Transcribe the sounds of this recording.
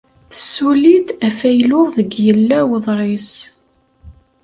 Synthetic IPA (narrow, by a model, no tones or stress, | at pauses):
θəsːuliθæfæjlʊʁðəɡjəlːæwəðˤɾˤɪs